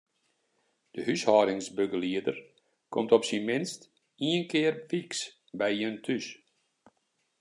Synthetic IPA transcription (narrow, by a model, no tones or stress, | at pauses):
d̥əhyshɑːɾɪŋsbøɡəliədər | kʰɔ̰mtɔpsinmɪnst | iənkɪːrfiks | bɛjiəntʰys